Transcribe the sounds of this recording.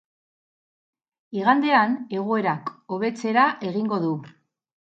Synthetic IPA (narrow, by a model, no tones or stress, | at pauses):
iɣand̪e̞ane̞ɣ̞oe̞ɾako̞β̞e̞t͡se̞ɾaʔe̞ɣiŋɡo̞ðu